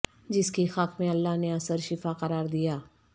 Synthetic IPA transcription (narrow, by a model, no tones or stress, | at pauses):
d͡ʒɪskixɐqmẽɐlːaːɦneɐsəɾʃɪfaːqɐɾaːɾd̪ijaː